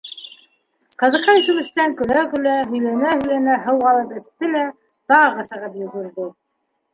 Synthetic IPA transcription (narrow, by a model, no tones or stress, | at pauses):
qɤ̆ðɤ̆qɑjsʉ̆wɘ̆st̪æŋkɵ̆lækɵ̆læɦɵ̆jlænæhɵ̆jlænæɦɤwɑlˠɤpɘ̆st̪ɘlæ | t̪ɑʁɑsɤ̆ʁɤpjŏɣŏɾðo